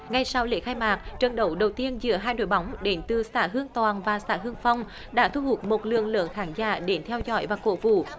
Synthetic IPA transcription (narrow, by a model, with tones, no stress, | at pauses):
ŋa˧jsa˧wlḛ˧˥˦xaː˧jmaː˨˩k̚t͡ɕə˨˩nɗə˨˦wɗə˨˩wt̪i˧ənzɨ̰˧˥əɦaː˧jno̰˧˨jɓa˨˦wŋ͡mɗe˨˦nt̪ɨ˨˩saː˧˥ɦɨ˧əŋt̪waː˨˩nvaː˨˩sa̰ː˧˥ɦɨ˧əŋfa˧wŋ͡m | ɗa̰ː˧˥t̪ʰu˧hu˨˩t̚mo˨˩t̚lɨ̰˧˨əŋlɨ̰ː˧˨əŋxaː˨˦ŋza̰ː˧˩ɗe˨˦nt̪ʰɛ˧wzɔ̰˧˥jvaː˨˩ko̰˧˥vṵ˧˨